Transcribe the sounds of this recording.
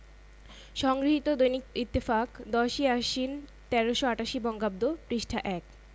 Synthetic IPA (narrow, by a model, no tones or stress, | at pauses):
ʃɔŋɡɾiɦit̪od̪ojnikit̪ːifakd̪ɔʃiaʃin | t̪ɛɾoʃoaʈaʃibɔŋɡab̚d̪opɾiʃʈʰaʔɛk